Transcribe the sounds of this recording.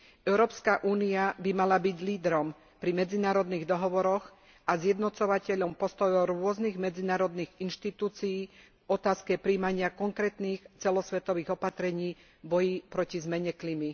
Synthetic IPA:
ɛʊɾɔːpskaʔuːniabimalabiɟliːd̪ɾɔm | pɾimɛd͡zinaːɾɔd̪niːɣd̪ɔɦɔʋɔɾɔɣ | azjɛd̪nɔt͡sɔʋacɛʎɔmpɔst̪ɔjɔɾʊɔzniɣmɛd͡zinaːɾɔd̪niːɣinʃt̪it̪uːt͡sijiː | ɔt̪aːskɛpɾiːmaɲɪakɔŋkɾɛːt̪niːxt͡sɛlɔsʋɛt̪ɔʋiːɣɔpat̪ɾɛɲiː | bɔjipɾɔcizmɛɲɛklimi

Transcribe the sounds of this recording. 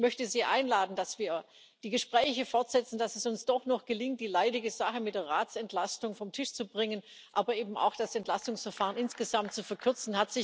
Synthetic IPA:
mœçtəziːʔa̰ɪnlaːdn̩d̥asv̥iːɐ | d̥iːɡəʃpʁ̥ɛːçəfɔɐtz̥ɛt͡sn̩dasɛsʊnsd̥ɔχnɔχɡ̥əlɪŋt̚d̥iːlaɪdɪɡəzaχəmɪtd̥eːɐʁaːtt͡sɛntʰlastʊŋfɔmtʰɪʃt͡subʁɪŋən | ʔaːbɐʔeːbm̩a̰ʊxd̥asɛntlastʊŋsfɛɐfaːʁənɪnsɡ̥əzamt̚t͡sufɛɐkʰʏɐt͡sn̩hatz̥ɪ

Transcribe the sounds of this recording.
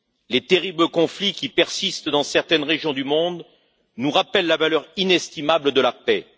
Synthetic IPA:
let̪eʁibləkɔ̃flikʲipɛʁsist̪d̪ɑ̃sɛʁt̪ɛnʁeʒjɔ̃d̪ymɔ̃d̪ | nuʁapɛlːavalœʁinɛst̪imabləd̪əlapɛ

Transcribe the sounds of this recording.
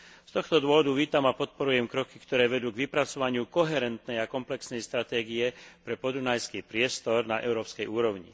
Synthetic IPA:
st̪ɔxt̪ɔd̪ʊɔʋɔd̪uʋiːt̪amapɔt̪̚pɔɾujɛmkɾɔki̥kt̪ɔɾɛːʋɛd̪uːɡʋipɾat͡sɔʋaɲɪukɔɦɛɾɛnt̪nɛjakɔmplɛksnɛjst̪ɾat̪ɛːɡijɛpɾɛpɔd̪unajskiːpɾɪɛst̪ɔɾnaʔɛ̰ʊɾɔːpskɛjuːɾɔʊɲḭ

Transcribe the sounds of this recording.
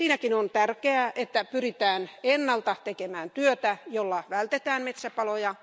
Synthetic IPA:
siːnækinont̪ærkeæʔet̪ːæpyrit̪æːnenːɑlt̪ɑt̪ekemæːnt̪yøt̪æjolːɑʋælt̪et̪æːnmet̪sæpɑlojɑ

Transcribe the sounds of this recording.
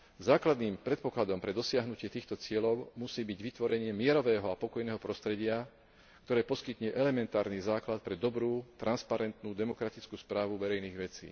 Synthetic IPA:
zaːklad̪niːmpɾɛt̪̚pɔklad̪ɔmpɾɛd̪ɔsɪaɦnucɪɛt̪iːxt̪ɔt͡sɪɛlɔʊmusiːbiɟʋit̪ʋɔɾɛɲɪɛmɪɛɾɔʋɛːɦɔapɔkɔjnɛːɦɔpɾɔst̪ɾɛɟɪa | kt̪ɔɾɛːpɔskit̪ɲɛʔɛlɛmɛnt̪aːɾnizaːklat̪̚pɾɛd̪ɔbɾuːt̪ɾanspaɾɛnt̪nuːd̪ɛmɔkɾat̪it͡skuːspɾaːʋuʋɛɾɛjniːɣʋɛt͡sḭː

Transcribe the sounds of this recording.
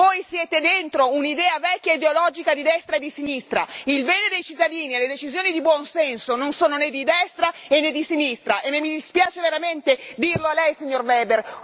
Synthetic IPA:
vojsjeːt̪ed̪ent̪ɾounid̪ɛːavɛkʲːaid̪eolɔd͡ʒikad̪id̪ɛst̪ɾaed̪isinist̪ɾa̰ilbɛːned̪ejt͡ʃit̪ːad̪iːnieled̪et͡ʃizjoːnid̪ibwɔnsɛnsononsoːnoned̪ːid̪ɛst̪ɾaenːed̪ːisinist̪ɾaʔemːemːid̪ispjaːt͡ʃeveɾament̪ed̪irloalɛjsiɲːorvɛːber

